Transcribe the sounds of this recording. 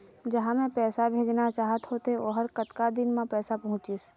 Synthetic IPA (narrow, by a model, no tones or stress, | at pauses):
d͡ʒɐɦãmẽpɛːsabʱeːd͡ʒnat͡ʃaːɦət̪ɦoːt̪eoɦəɾkət̪kad̪ɪnmãpɛːsapɐɦʊ̃t͡ʃis